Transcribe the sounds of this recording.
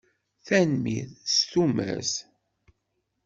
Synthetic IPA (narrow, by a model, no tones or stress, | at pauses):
θænmiðst̪umæ̰s